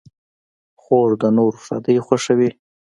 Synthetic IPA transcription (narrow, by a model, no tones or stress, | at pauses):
xoɾd̪ənoɾsɑ̰d̪əjxwaʂəwi